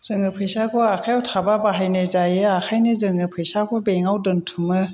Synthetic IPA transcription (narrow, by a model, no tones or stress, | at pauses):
z̥ɯŋɯpʰɯjsakʰɔakʰajawtʰababaɦajnɯzajɯakʰajnɯzɯŋɯpʰɯjsakʰɔbeŋawdɯntʰumɯ